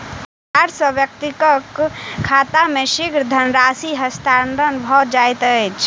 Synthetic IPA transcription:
aɾsə̃bjək̚t̪ikəkʰːat̪ameʃiɡɾd̪ʱənɾasiɦəst̪ʰanɾənbʱɔd͡ʒajt̪ət͡ʃʰ

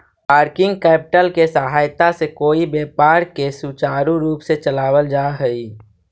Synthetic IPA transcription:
paːɾkɪ̃ŋɡkɛːpɪʈəlkesəɦaːjt̪asekoːibeːpaːɾkesut͡ʃaːɾũɾuːpset͡ʃəlaːwəld͡ʒaːɦɛiː

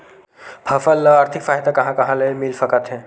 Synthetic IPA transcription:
pʰɐfəlːəaːɾt̪ʰɪkfaːɦd̪akɐɦãkɐɦãlɐemilfɐkat̪ɦɛ̃ː

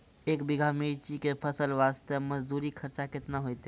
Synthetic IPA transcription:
ekbiɡʱamiɾt͡ʃikepʰəsəlʋast̪əməd͡ʒd̪uɾikʰəɾt͡ʃaket̪naɦojt̪

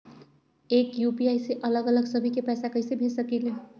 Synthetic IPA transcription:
eːkjupiajseʔələɡələɡsəbʱikepɛːsakəɪsebʱesəkele

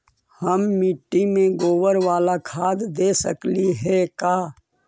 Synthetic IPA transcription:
həmːɪʈːimẽɡoːwəɾʋaːlakʰaːd̪d̪eːsəkliɦɛkaː

